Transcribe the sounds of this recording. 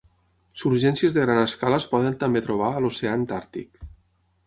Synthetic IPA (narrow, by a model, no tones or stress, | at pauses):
suɾʒɛnsiəzðəɣɾanəskaləspɔðənt̪əmbet̪ɾuβ̞aəloseant̪aɾt̪ḭk